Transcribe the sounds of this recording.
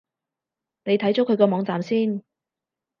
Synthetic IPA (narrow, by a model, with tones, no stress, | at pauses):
ne˨˧jt̪ʰɐ˨˥jt͡sɔ˨˥kʰɵ˨˧ɥkɔː˧mɔː˨˧ŋt͡saː˨msiː˥n